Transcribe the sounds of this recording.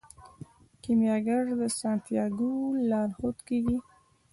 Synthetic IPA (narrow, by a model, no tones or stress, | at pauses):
kimjɑɡaɾd̪əsɑnt̪jɑɡulɑɾhot̪keɡi